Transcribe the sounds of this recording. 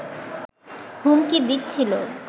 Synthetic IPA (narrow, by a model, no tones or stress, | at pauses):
ɦumkibit̚ːt͡ɕʰilo